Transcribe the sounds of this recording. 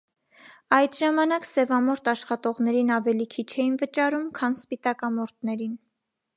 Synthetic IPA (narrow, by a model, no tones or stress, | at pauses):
ɑjd̪ʒɑmɑnɑksɛvɑmɔɾt̪ɑʃχɑt̪ɔʁnɛɾinɑvɛlikʰit͡ʃʰɛjinvət͡ʃɑɾumkʰɑnspit̪ɑkɑmɔɾt̪̚ʰnɛɾin